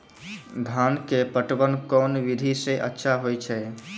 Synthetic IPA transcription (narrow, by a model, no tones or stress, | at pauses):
d̪ʱaːnkepəʈbənkɔːnʋid̪ʱisẽʔətːʃʰaɦojt͡ʃʰɛ